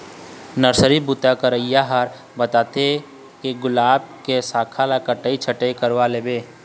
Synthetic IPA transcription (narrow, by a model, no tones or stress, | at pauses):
nəɾsəɾibut̪akəɾəijaɦaɾ | bət̪aːt̪e | keɡʊlaːb̚kesaːkʰalakəʈəit͡ʃʰəʈekəɾʋaleːbeː